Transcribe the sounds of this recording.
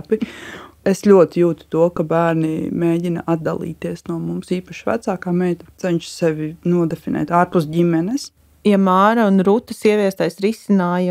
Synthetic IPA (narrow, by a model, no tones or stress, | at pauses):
piesʎʲuɔt̪ijuːt̪t̪uɔkabæːɾnḭmeːɟinɐ̰ʔad̪̚d̪a̰lˠḭːt̪iɛsnuɔmumsiːpɐʃvæ̰t̪saːkaːmɛjt̪at̪ɛɲʲʃsɛʋinuɔd̪efinɛ̰ːt̪aːɾpusɟimɛnɛs | jamaːɾɐunɾut̪ɐsiɛʋiɛst̪ajsɾisinaːj